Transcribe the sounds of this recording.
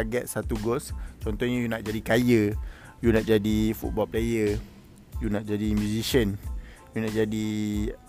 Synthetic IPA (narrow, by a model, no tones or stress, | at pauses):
aɡɛt̪̚sat̪uɡɔst͡ʃɔnt̪ɔhɲajunaʔ̚d͡ʒadikajə | junaʔ̚d͡ʒadifṵt̪̚bɔlplejə | junaʔ̚d͡ʒadimjũzisən | junaʔ̚d͡ʒadi